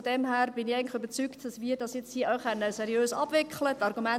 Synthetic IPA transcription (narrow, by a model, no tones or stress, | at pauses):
ɔdɛmhæːɾb̥ɪnɪæənklɪχybət͡syktd̥ɑsʋiːəɾdɑsjɛt͡shiːʔœχɛnəsɛɾjøːsɑ̰b̥vɪkχlətːɑɾɡumɛ